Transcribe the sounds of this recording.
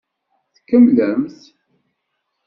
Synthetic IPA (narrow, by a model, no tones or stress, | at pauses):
θkːəmləmθ